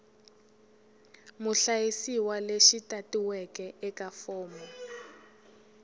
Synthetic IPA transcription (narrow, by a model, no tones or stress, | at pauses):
muɬajisiwaleʃitatiwɛkɛʔɛkafɔːmɔ